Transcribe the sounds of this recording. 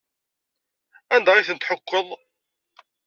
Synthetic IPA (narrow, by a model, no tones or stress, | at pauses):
ænd̪æʁiθənt̪ħəkʷːəðˤ